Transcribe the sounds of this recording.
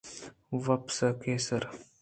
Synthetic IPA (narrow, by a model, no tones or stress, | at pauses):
ʋɐpsəkeːsəɾ